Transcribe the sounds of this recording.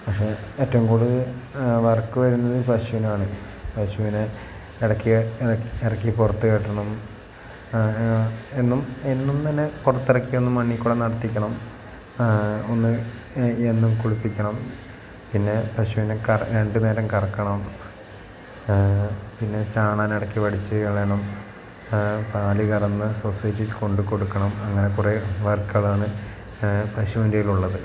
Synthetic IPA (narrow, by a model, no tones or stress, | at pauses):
pɐkʂe̞eːtːɐʋumkuːɽuðɐʋɐrkːɨʋɐɾunːɐðɨpɐɕuʋinɐmaːɳɨ | pɐɕuʋine | iɽɐkːiɐeɽɐkːipurɐt̪ːɨkeʈːɐɳɐm | enːumenːumt̪ɐnːe̞purɐt̪ːiɽɐkːio̞nːɨmːɐɳːikʲːuɽɐnɐɽɐt̪ːikʲːɐɳɐm | o̞nːɨ | enːumkuɻupːikʲːɐɳɐm | pinːe̞pɐɕuʋinekɐrɾe̞ɳɖɨne̞ːɾɐmkɐrɐkːɐɳɐm | pinːe̞t͡ɕaːɳaːnɐɽɐkːiʋɐɽit͡ɕːɨɐɭeɳɐm | p̪aːliɣɐɾɐnːɨsosɐjtːilko̞ɳɖuko̞ɽukːɐɳɐmɐŋːɐne̞kureʋɐrkɐɭaːɳɨ | prɐɕuʋindejiluɭːɐðɨ